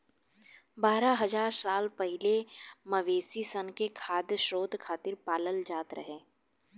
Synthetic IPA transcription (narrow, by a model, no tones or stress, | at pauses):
baːɾaɦɐzaːɾsaːlpɛɦɪlemɐʋeːsisənkekʰaːd̪ʃɾoːd̪ʱkʰaːt̪ɪɾpaːləld͡ʒaːt̪ɾɐ̰ɦẽː